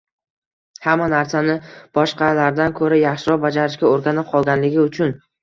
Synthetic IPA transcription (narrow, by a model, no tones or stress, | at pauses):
hamːanaɾsanɪb̥ɒʃqɑlaɾd̪ankʰɵɾajaχʃɪɾɒp̚bad͡ʒaɾɪʃkʲaoɾɡʲanɪp̚qʰɒlˠɡʲanlɪɡʲɪʊt͡ʃʰʊn